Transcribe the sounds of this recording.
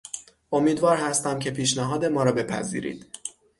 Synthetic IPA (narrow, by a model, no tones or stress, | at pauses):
ʔo̞miːd̪vɒːɾhæst̪æmcʰe̞pʰiːʃnæɦɒːd̪e̞mɒːɾɒːbe̞pʰæ̰zḭːɾḭːd̪̥